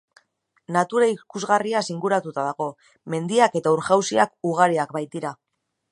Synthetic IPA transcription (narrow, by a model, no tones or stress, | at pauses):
nat̪uɾaikuzɣariasiŋɡuɾat̪ut̪aðaɣo̞ | me̞nd̪iake̞t̪auɾʝawsiakuɣ̞aɾiakbajt̪iɾa